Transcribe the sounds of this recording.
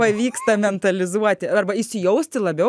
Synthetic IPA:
pɐʋʲiːkst̪ɐmʲɛnt̪ɐlʲɪzuɔt̪ʲɪɐrbɐɪʃsʲɪjɛʊsʲt̪ʲɪlˠɐbʲɛ

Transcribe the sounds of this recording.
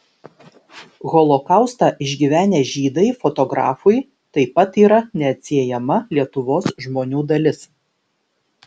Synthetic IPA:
ɣɔlˠɔkɑˑʊst̪ɑʔɪʒʲɡʲiʋʲæːnʲeːʒʲiːd̪ɐɪfɔt̪ɔɡɾɑ̰ːfʊj | t̪ɐɪpɐt̪iːɾɐnʲɛɐt̪ʲsʲiɛjɛmɐlʲiɛt̪ʊʋoːsʒmoːnʲuːd̪ɐlʲɪs

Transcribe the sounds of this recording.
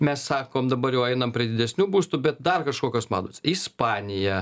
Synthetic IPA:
mʲɛssɑːkoːmd̪ɐbɐrjɛʊɛɪnɐmpʲɾʲiɛd̪ʲɪd̪ʲɛsʲnʲuːbuːst̪ubʲɛt̪̚d̪ɐrkɐʃkoːkʲoːsmɑ̰ːd̪oːsʲɪspɑːnʲɪjɛ

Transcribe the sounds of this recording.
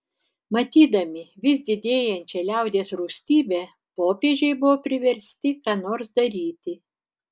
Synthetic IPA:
mɐt̪ʲiːd̪ɐmʲɪʋʲɪsd̪ʲɪd̪ʲeːjɛnʲt͡ʃʲɛlʲæˑʊd̪ʲeːsɾʊksʲt̪ʲiːbʲeː | poːpʲeːʒʲɛɪbʊʋoːpʲɾʲɪʋʲɛɾʲsʲt̪ʲɪkɑːnoːɾsd̪ɐɾʲiːt̪ʲɪ

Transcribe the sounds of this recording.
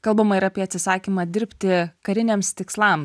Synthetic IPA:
kɐlˠbɐmɐɪɾɑːpʲiɛɐt̪ʲsʲɪsɑːkʲimɑd̪ʲɪɾʲpʲt̪ʲɪkɐɾʲɪnʲɛːmst̪ʲɪkslˠɑm

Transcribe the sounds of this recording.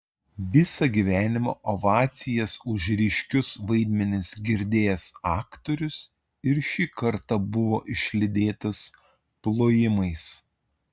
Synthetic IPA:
ʋʲɪsɐɡʲiʋʲæːnʲɪmɐːʔoʋɑːt̪sʲɪjɛsʊʒɾʲɪʃʲkʲʊsʋɐɪd̪ʲmʲɛnʲɪsɡʲɪɾʲd̪ʲeːjɛsɑːkt̪oːɾʲʊs | ɪɾʃʲiːkɐɾt̪ɐbʊʋoːʔɪʃʲlʲɪd̪ʲeːt̪ɐs | plˠoːjɪmɐɪs

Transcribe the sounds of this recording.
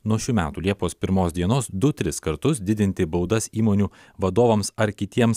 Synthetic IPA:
nuɔʃʲumʲæ̰ːt̪uːlʲiɛpoːspʲɪɾmoːsd̪ʲiɛnoːsd̪ʊt̪ʲɾʲɪskɐɾt̪ʊsd̪ʲɪd̪ʲɪnʲt̪ʲɪbɐʊd̪ɐsiːmoːnʲuː | ʋɐd̪oːʋɐmsɐɾkʲɪt̪ʲiɛms

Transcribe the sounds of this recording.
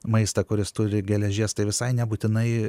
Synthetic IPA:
mɐɪst̪ɐkʊɾʲɪst̪ʊɾʲɪɡʲɛlʲɛʒʲiɛst̪ɐɪʋʲɪsɐɪnʲɛbuːt̪ʲɪnɐɪ

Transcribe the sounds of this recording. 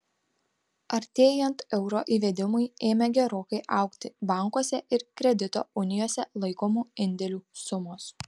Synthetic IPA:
ɐɾʲt̪ʲeːjɛnt̪ɛʊɾoːʔiːʋʲɛd̪ʲɪmʊɪeːmʲɛɡʲɛɾoːkɐɪʔɐˑʊkt̪ʲɪbɑˑŋkoɔsʲɛʔɪɾkɾʲɛd̪ʲɪt̪o̰ːʊnʲɪjoːsʲɛlˠɐɪkoːmuːɪnʲd̪ʲɛlʲuːsʊmoːs

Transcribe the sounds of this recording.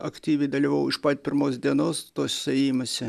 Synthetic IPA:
ɐkt̪ʲiːʋʲɛɪd̪ɐlʲiʋɐʊɪʃpɐt̪ʲpʲɪɾmoːs̬d̪ʲiɛnoːst̪oːsʲsɛjiːmɐsʲɪ

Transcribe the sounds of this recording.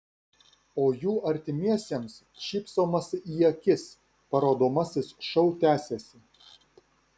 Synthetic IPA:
oːjuːʔɐɾʲt̪ʲɪmʲiɛsʲeɛms | ʃʲiːpsoːmɐsijɛkʲɪs | pɐɾoːd̪oːmɐsʲɪsʃɐʊt̪ʲæːsʲesʲɪ

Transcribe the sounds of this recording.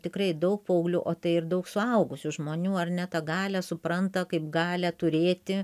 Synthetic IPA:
t̪ʲɪkrɐɪd̪ɐʊk̚pɐʊɡlʲuːʔoːt̪ɐɪɪrd̪ɐʊksʊɐʊɡʊsʲʊʒmoːnʲuːɐrnʲɛt̪ɐɡɑːlʲɛsʊpɾɐnt̪ɐkɐɪpɡɑːlʲɛt̪ʊɾʲeːt̪ʲɪ

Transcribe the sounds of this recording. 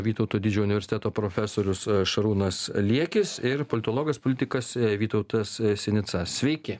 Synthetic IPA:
ʋʲiːt̪ɔʊt̪oːd̪ʲɪd͡ʒʲɛːʊnʲɪʋʲɛɾʲsʲɪt̪ʲæːt̪oːpɾoːfʲæsoːɾʲʊsʃɐɾuːnɐslʲiɛkʲɪsɪɾpolʲɪt̪oːlˠoːɡɐspolʲɪt̪ʲɪkɐsʋʲiːt̪ɐʊt̪ɐssʲɛnʲɪt̪sɐssʲʋʲɛɪkʲɪ

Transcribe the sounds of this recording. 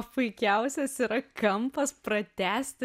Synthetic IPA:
pʊɪkʲɛʊsʲɛsiɾɐkɐmpɐspɾɐt̪ʲæːsʲt̪ʲɪ

